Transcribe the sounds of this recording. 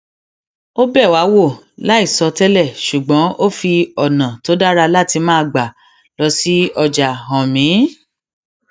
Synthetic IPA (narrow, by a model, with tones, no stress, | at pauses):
o˦bɛ˦˨wa˨˦wo˦˨ | la˦i˦˨sɔ˧tɛ˦lɛ˦˨ʃu˨ɡ͡bɔ̃˨˦ʔo˦fi˧ɔ˨nã˨to˨˦da˦ɾa˧la˦˨ti˧mãː˦˧ɡ͡ba˨ | lɔ˧si˦ɔ˧d͡ʒa˨ɦɔ̃˨mĩ˨˦